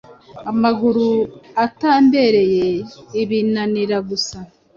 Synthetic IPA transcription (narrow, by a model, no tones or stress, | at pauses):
amaɡuɾuataːmbe̞ɾe̞jeiβinaniɾaɡusa